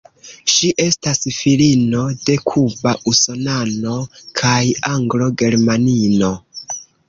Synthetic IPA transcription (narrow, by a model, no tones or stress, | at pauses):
ʃiʔe̞stasfilino̞de̞kʰubaʔuso̞nano̞kʰajaŋɡlo̞ɡe̞ɾmanino̞